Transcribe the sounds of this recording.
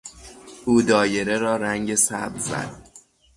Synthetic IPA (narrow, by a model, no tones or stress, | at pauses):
ʔuːd̪ɒːje̞ɾeɾɒːɾæŋɟe̞sæ̰bzæ̰d̪̥̚